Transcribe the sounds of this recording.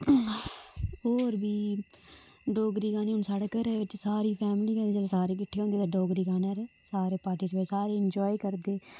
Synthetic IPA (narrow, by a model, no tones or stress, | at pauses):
oːɾbiː | ɖoːɡɾiːɡaːniːʊnsaɽəkəɾeʋɪt͡ʃsaːɾiːpʰɛːmliːɡə̃nd̪iːd͡ʒeːlesaːɾeːkɪʈʰːeːɦõnd̪iːt̪aɖoːɡɾiːɡaːnaːɾeːsaːɾeːpaːɾʈiːspeːsaːɾeːɪɲd͡ʒɔːiːkəɾd̪eː